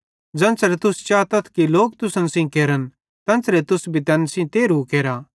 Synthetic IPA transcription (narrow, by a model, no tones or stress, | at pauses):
d͡zɐ̃nsɾet̪ʊst͡ʃaːt̪ɐt̪ʰkiloːk̚t̪ʊsə̃nsĩkeːɾən | t̪ɐ̃nsɾet̪ʊsbʱit̪ɛːnsĩt̪eːɾukeːɾa